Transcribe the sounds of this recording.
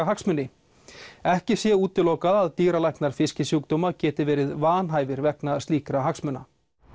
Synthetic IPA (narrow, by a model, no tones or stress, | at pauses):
aɦaksmʏnːɪ | ɛhcɪsjɛuːt̪ɪloːwkaðaðt̪iːɾalajknaɾ̥fɪscɪsjuk̚t̪ɔːmacɛːt̪ɪvɛːɾɪðvaːnɦaːjvɪɾvɛknast̪liːkɾaɦaksmʏnːa